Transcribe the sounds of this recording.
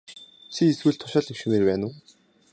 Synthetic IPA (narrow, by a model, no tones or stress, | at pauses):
t͡ɕʰiːswɘ̆ɮt̪ʰʊ̥ʃăːɮiwʃɘ̆meːrpæːnʊː